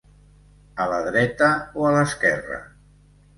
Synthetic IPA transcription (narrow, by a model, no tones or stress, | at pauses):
ələðɾɛt̪əoələskɛrə̰